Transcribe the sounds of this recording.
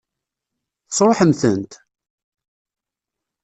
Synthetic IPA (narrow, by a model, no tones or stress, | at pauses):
θsˤɾˤoħəmθə̰nt̪